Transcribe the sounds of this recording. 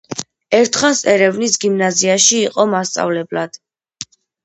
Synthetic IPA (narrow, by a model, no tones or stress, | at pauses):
ɛɾt̪ʰχasɛɾɛvnisɡimnaziaʃiːqʼɔmast̪sʼa̰vlɛblad̪̥